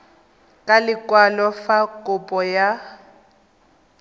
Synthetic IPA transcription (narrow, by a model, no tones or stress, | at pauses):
kʼalɪkʼwalɔfakʼʊpʼɔja